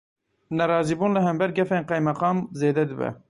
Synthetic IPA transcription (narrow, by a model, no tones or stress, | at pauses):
nɛɾɑːziːbuːnlɨɦɛmbɛɾɡɛfeːnqɛjmɛqɑːmzeːd̪ɛd̪ɨbɛ̰